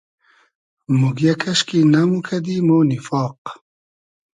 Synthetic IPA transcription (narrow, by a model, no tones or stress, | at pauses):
muɡjakʰɐʃkinamukʰɐd̪imownifɑːq̚